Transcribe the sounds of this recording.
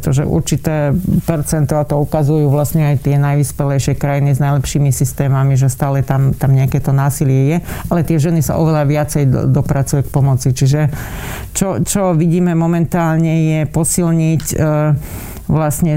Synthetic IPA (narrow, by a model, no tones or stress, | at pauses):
t̪ɔʒɛ̰ʔṵɾt͡ʃit̪ɛːpɛɾt͡sɛnt̪ɔat̪ɔukazujuːʋlasɲɛajt̪ɪɛnajʋispɛlɛjʃɪɛkɾajiniznajlɛpʃiːmisist̪ɛːmamiʒɛst̪aːlɛt̪amt̪amɲɛakɛt̪ɔnaːsilɪɛjɛalɛt̪ɪɛʒɛnisa̰ʔɔʋɛlaʋɪat͡sɛjd̪ɔpɾat͡sujɛk̚pɔmɔt͡sit͡ʃiʒɛ | t͡ʃɔt͡ʃɔʋiɟiːmɛmɔmɛnt̪aːlɲɛjɛpɔsilɲic | ʋlasɲɛ